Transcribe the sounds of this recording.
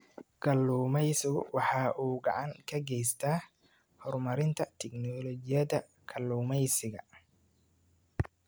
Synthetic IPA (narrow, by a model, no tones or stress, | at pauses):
ɡɐlːuːmɛjsɪɣʊ̰wɑħɑːʔuːɡɑ̰ʕɑŋkʰɐɡɛjst̪ʰaː | hɔrmɐɾɪnt̪ʰɐt̪ʰɛɡnɔlɔd͡ʒɪjɐðɐ | kʰɐlːuːmɛjsɪɣɐ̰